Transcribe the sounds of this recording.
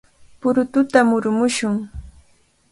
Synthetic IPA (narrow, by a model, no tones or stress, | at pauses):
pʊɾʊt̪ʊt̪amʊɾmʊʃʊŋ